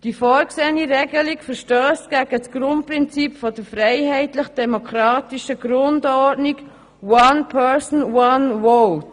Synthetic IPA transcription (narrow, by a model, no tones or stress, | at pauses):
d̥ifɔːɾkseːniɾɛɡəlikfəɾʃtøːstɡ̥æɡ̥əsɡ̥ɾʊnt̚pɾɪnt͡sipfɔdəɾfɾɛɪɦɛɪtləχd̥ɛmokʰɾɑːtiʃəɡɾʊndɔɾdniɡ | wɑnpʰɛɹsn̩wɑnwɔlt